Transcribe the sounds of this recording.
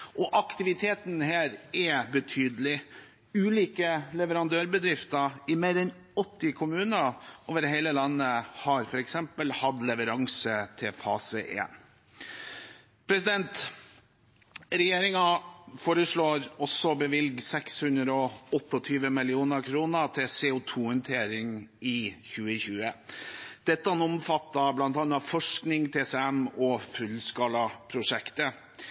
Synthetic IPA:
ʔɔʔɑkt̪ɪʋɪt̪ʰeːt̪n̩hæːɾɛbət̪ʰyːd̪əl̩ɪ | ʉːliːkəlɛʋəɾɑnd̪øːɾbəd̪ɾɪft̪əɪmeːɾɛn | ɔt̪ːɪkʰʊmʉːnəʔoːʋəɾhɛɪləlɑnːəhɑɾfɔɾɛksɛmpəlhɑd̪lɛʋəɾɑŋsət̪ʰɪlfɑ̰ːsəʔḛːn | pʰɾɛsɪd̪ɛnt̪ | ɾɛjeːɾɪŋɑfoːɾəʂɭoːɾɔsːɔbəʋɪlɡsɛkshʉnd̪ɾəɔɔt̪ːɔt̪ʰyːʋəmɪlɪuːnəɾkʰɾuːnət̪ʰɪlseːʊt̪ʰuːhœnt̪ʰeːɾɪŋɪçʉːəçʉːə | d̪̥ɛt̪ːəɑnɔmfɑt̪ːɑblɑnt̪ɑːnɑfɔʂknɪŋt̪ʰeːsɛɛmɔfʉlskɑːlɑpʰɾʊʂɛkt̪ə

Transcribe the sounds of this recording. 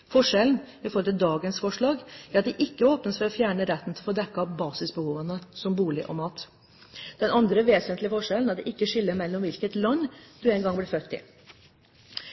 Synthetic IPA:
fɔʂɛln̩ | ɪfɔɾɔlt̪ɪd̪ɑːɡənsfɔʂɭɑːɡæɾɑt̪̚d̪ɛʔɪkːəoːpnəsfɔɾɔfjæːɳəɾɛt̪ːən̩t̪ʰɪlfoːd̪ɛkːɑɑbɑːsɪsbəhuːʋənəsɔmbuːlɪʔɔ̰mɑːt̪ | d̪̥ɛnɑnd̪ɾəʋeːsənt̪lɪəfɔʂɛlnɑt̪d̪ɛʔɪkːəʂɪlːəɾmɛlːɔmʋɪlkət̪lɑnːd̪̥ʉɛɪnɡɑŋblɪfœt̪ːɪ̰

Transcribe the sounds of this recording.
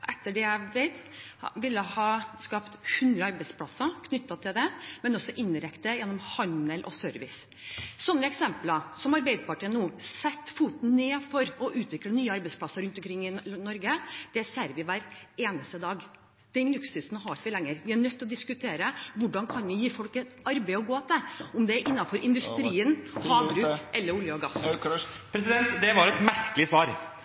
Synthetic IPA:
ʔɛt̪ːəɖɛæʋeɪt̪ʋɪlːəhɑːskɑpt̪hʉnd̪ɾəɑɾbɛɪspʰlɑsːɑkʰnʏt̪ːɑt̪ʰɪld̪ɛmɛnɔsɔʔɪnɾɛkt̪əjɛnːɔmhɑnəlʔɔ̰søːɾʋɪ̰s | sɔnːəɛksɛmpləsɔmɑɾbæɪd̪əpʰɑʈəənːuːsɛt̪ːfuːt̪n̩neːfɔɾɔʔʉːt̪ʰʋɪklənyːəɑɾbɛɪspʰlɑsəɾʉnt̪ɔmkʰɾɪŋːɪnɔɾɡəd̪̥ɛæsæɾʋɪʋæːɾeːnəst̪əd̪ɑːɡ | d̪̥ɛnlʉksʉsnhɑɾʋɪlɛŋːəɾʋɪæɳœt̪ːɔd̪ɪskʉt̪ʰeːɾəʋʊɖɑnkʰɑnʋɪjiːfɔlkət̪ɑɾbɛɪɔɡoːt̪əɔmd̪ɛæɾʔɪnːɑfɔɾʔɪnd̪ʉst̪ɾiːənhɑːbɾʉːkʔɛlːəɾʊljəɔɡɑsːpʰɾɛsɪd̪ɛnt̪d̪ɛʋɑɾɛt̪mæɾkəlɪsʋɑːɾ

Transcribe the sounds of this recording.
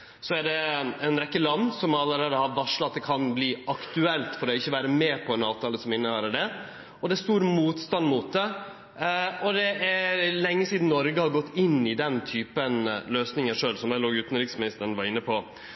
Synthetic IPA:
sɔæɖɛɛnɾɛkːəlɑnːsɔmɑlːəɾeːd̪əhɑɾʋɑʂlɑɑt̪̚d̪ɛkʰɑnbliːɑkt̪ʉɛlt̪fɔɾd̪ɛɪçːəʋæːɾəmɛpʰɔɛnɑːʋt̪ʰɑːləsɔmɪnːəhøːɾəɖɛ | ɔd̪ɛæst̪uːɾmuːt̪st̪ɑnd̪muːt̪̚d̪ɛ | ɔd̪ɛʔælɛŋːəsiːd̪n̩nɔɾɡəhɑɾɡɔt̪ːɪnːɪd̪ɛnt̪ʰyːpənløːsnɪŋəʂøːlsɔmæɪloːɡʉːt̪n̩ɾɪksmɪnɪst̪əɾənʋɑɾɪnːəpʰɔ

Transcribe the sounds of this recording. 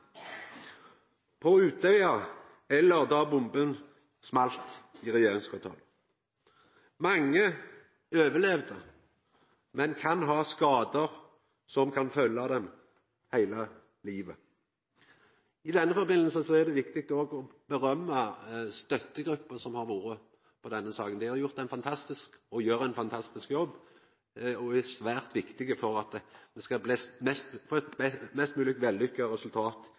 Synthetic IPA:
pʰɔʉːt̪ɛɑ | ɛlːəʁd̪ɑːbʊmbən | smɑlt̪ɪʁɛjeːʁɪŋskʰɑt̪ʰɑ̰ːl | mɑŋːə | øːʋəlɛʋd̪ə̰ | mɛnkʰɑnɦɑːskɑːd̪əʁ | sɔmkʰɑnfœlːɑd̪ɛm | hæɪlɑ | liːʋə | ɪd̪ɛnːəfɔɾbɪnl̩səsɔæʁd̪ɛʋɪkt̪ɪk̚t̪ɔɡɔbəɾœmːəst̪œt̪ːəɡɾʉpːəsɔmhɑɾʋuːɾə | pʰɔd̪ɛnːəsɑːkənd̪ɪhɑɾjʊʁt̪æɛɪnfɑnt̪ʰɑst̪ɪskɔjøːʁəæɪnfɑnt̪ʰɑst̪ɪskjɔbː | ɔæsʋæːʁt̪ʋɪkt̪ɪɡəfɔɾɑt̪d̪̥ɛskɑbliːsmɛst̪fɔɛt̪ɛmɛst̪mʉːlɪk̚t̪ʋɛlːʏkːəʁɛsʉlt̪ʰɑːt̪

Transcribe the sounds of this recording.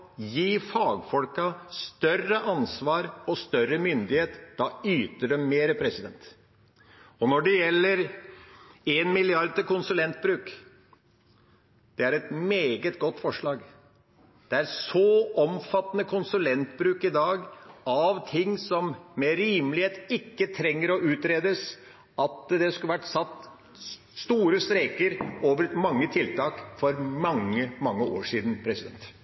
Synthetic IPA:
jiːfɑːɡfɔlkɑst̪œrəʔɑnsʋɑːɾɔst̪œɾəmʏnd̪ɪheːt̪d̪̥ɑyːt̪əɖɛmːeːɾəpʰɾɛsɪd̪ɛnt̪ | ɔnɔɖɛjɛlːəɾ | eːnmɪlɪɑɾd̪̚t̪ɪkʊnsʉlɛnt̪̚bɾʉːk | d̪̥ɛæɾɛt̪meːɡət̪ɡɔt̪ːfɔʂɭɑːɡ | d̪̥ɛæɾsɔɔmfɑt̪ːənəkʰʊnsʉlɛnt̪bɾʉːkɪd̪ɑːɡɑʋt̪ʰɪŋːsɔmːɛɾiːmlɪheːt̪ɪkːət̪ʰɾɛŋːəɾɔʔʉːt̪ɾeːd̪əs | ɑt̪d̪ɛskʉəʋæʈːsɑt̪ː | st̪uːɾəst̪ɾeːkəɾoːʋəɾmɑŋːət̪ʰɪlt̪ɑːkfɔɾmɑŋːəmɑŋːəʔo̰ːʂiːd̪n̩pʰɾɛsɪd̪ɛ̰nt̪

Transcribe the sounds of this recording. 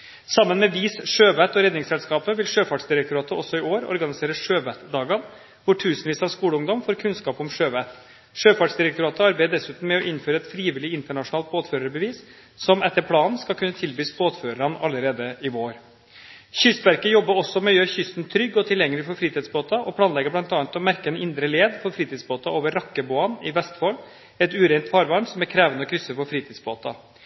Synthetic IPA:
sɑmːənmɛʋiːsʂøːʋæt̪ɔɾɛd̪nɪŋsɛlskɑːpəʋɪlʂøːfɑʈsd̪ɪɾɛkt̪ʊɾɑːt̪əɔsɔɪoːɾɔ̰ɾɡɑnɪseːɾəʂøːʋæt̪d̪ɑːɡɑn | ʋʊʈʰʉːsnʋiːsɑʂkuːləʊŋd̪ɔmfɔːɾkʰʉnskɑːpɔmʂøːʋæt̪ | ʂøːfɑʈʂd̪ɪɾɛkt̪ʊɾɑːt̪əɑɾbæɪəd̪ɛsʉːt̪n̩mɛɔʔɪnføːɾəɛt̪fɾiːʋɪlɪɪnt̪əɳɑʂʊnɑːlt̪̚boːt̪føːɾəɾbəʋiːs | sɔmɛt̪ːəpʰlɑːnskɑlkʰʉnːət̪ʰɪlbyːsboːt̪føːɾəɾɑnɑlːəɾeːd̪əɪʋoːɾ | çʏst̪ʋæɾkəjɔbːəɾɔsːɔmɛjøːɾçʏst̪n̩t̪ʰɾʏɡːɔt̪ʰɪljɛŋːəlɪfɔɾfɾiːt̪ɪːd̪sboːt̪ɑʔɔpʰlɑːnlɛɡəblɑnt̪ɑːɑnt̪ɔmæɾkəɛnɪnd̪ɾəleːd̪fɔɾfɾiːt̪iːd̪sboːt̪ɑoːʋəɾːɑkːəboːɑnɪʋɛst̪foːl | ɛt̪ʉːɾɛɪnt̪fɑːɾʋɑɳsɔmæɾkʰɾæːʋənəɔkʰɾʏsːəfɔɾfɾiːt̪iːd̪sboːt̪ɑ̰

